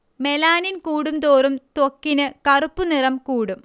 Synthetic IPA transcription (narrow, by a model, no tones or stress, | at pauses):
me̞laːninkuːɽumt̪oːrumt̪okːinɨkɐrupːunirɐmkuːɽum